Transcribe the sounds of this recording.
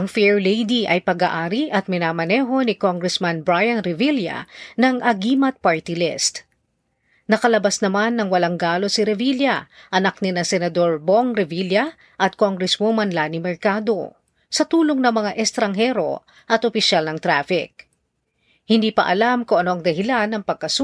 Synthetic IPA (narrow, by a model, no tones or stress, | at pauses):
ʔɐŋfɛɹlejd̪iʔɐjpɐɡa̰ːʔaːɾiʔɐt̪̚mɪnaːmɐnɛːɦo̞nikoŋɡɾɛsmanbɹajɐnɾɪviljɐ̰nɐŋʔɐɡiːmɐt̪̚paɹt̪ilɪst̪ | nɐkɐlɐbasnɐmanːɐŋwɐlaŋɡaːlo̞sɪɾɛviljɐʔɐnak̚nɪnasɛnɐd̪o̞ɹboŋɾɛviljɐ | ʔɐt̪̚koŋɡɾɛswomɐnlanɪmɛɹkad̪o̞̰ | sɐt̪uːloŋnɐŋmɐŋaʔɛst̪ɾɐŋɦɛɾo̞̰ | ʔɐt̪ʔopɪʃalnɐŋt̪ɾafɪ̰k̚ | hɪnd̪iːpɐ̰ʔɐlamkoŋʔɐnoʔɐŋd̪ɐɦɪlanːɐŋpɐɡ̚kɐs